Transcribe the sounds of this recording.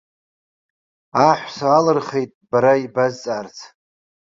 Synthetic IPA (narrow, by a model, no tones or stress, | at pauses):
aħʷsaalɨrχe̞jtʼb̥aɾaibazt͡sʼart͡sʰ